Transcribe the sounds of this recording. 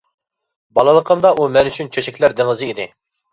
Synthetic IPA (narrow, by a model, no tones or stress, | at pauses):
bɑlˠɨlˠəqʰəmd̪ɑʔumɛnyt͡ʃʰynt͡ʃʰøt͡ʃʰɛkʲlæɾd̪ɪŋɨzɨid̪ɪ̰